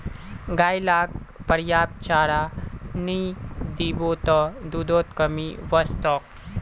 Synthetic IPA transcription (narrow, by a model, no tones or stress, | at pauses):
ɡaːjlaːk̚ | pɐɾjaːp̚t͡ʃaːɾaːnid̪iːboːt̪ɔd̪uːd̪oːt̪kɐmiʋɐst̪ɔːk